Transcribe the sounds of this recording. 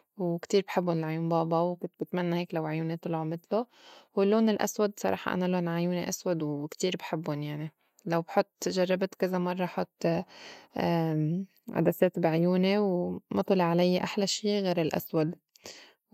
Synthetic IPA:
wkt̪iːɾbħɪbːʊnɪlʕajuːnbɑːbɑwkʊnt̪̚bɪt̪manːaheːklawʕjuːnet̪ˤɨlʕomɪt̪lowɪlːoːnɪlʔa̰swad̪sˤɑɾˤɑ̰ːħɑ̰ʔa̰naloːnʕajuːneʔaswad̪wkt̪iːɾbħɪbːʊnjaʕni | lawbħʊt̪ˤːʒarˤːɑbt̪kazamɑrˤːɑħʊt̪ː | ʕa̰d̪aseːt̪bʕjuːnewmɑt̪ˤɑlɪʕalajːaʔaħlaʃiːɣeːɾɪlʔa̰swad̪

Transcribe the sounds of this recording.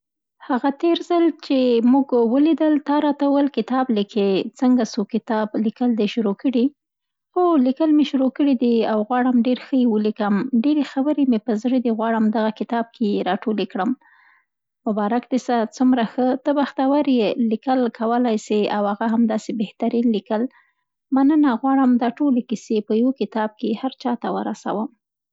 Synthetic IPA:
haɣat̪eɾzəlt͡ʃemuɡwəlid̪əlt̪ɑɾɑt̪awəlkɪt̪ɑblikʰet͡səŋɡasokɪt̪ɑblikəld̪eʃʊɾokəɽi | xolikəlmeʃuɾokəɽid̪iawɣwɑɽəmɖeɾxəjewəlikəmɖeɾexabəɾemepəzɽəd̪iɣwɑɽəmd̪aɣakɪt̪ɑb̚kʰeɾɑʈolekɽəm | mʊbɑɾakd̪esat͡sumɾaxət̪əbaxt̪awaɾjelikəlkʰawəlajseawhaɣaɦamd̪ɑsebeht̪aɾinlikəl | manənaɣwɑɽəmd̪ɑʈolekɪsepəjwokɪt̪ɑb̚kehaɾt͡ʃɑt̪awə̰ɾa̰sa̰wəm

